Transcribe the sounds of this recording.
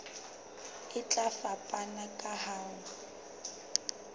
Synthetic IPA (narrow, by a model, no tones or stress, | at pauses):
ɪt͡ɬʼafapʼanakʼahaːŋʊ